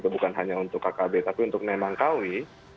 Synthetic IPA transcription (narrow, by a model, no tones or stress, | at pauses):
t̪ubukanɦaɲaunt̪ʊkːakabet̪apiunt̪ʊk̚namaŋkawi